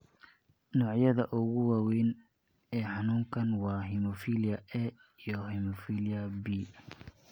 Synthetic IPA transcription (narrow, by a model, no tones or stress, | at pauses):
nɔːʕjɐðɐʔʊɣʊwɑːwɛjn | ɛːħɑnuːŋkʰɐnwɑːɦimɔfilɪjɐɛ | ijɔɦimɔfiːlɪɐbi